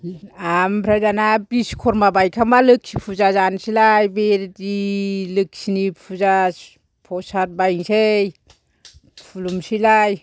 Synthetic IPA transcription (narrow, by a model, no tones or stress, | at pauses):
ampʰɾadanabiskʰɔɾmabajkʰamalɯk̚sipʰuzazansilajbeɾdilɯk̚sinipʰuza | pʰɔsat̚bajŋsej | pʰulumsilaj